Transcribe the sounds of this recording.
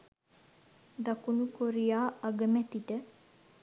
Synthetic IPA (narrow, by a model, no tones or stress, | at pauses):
d̪akunukoɾijaːaɡəmɛt̪iʈə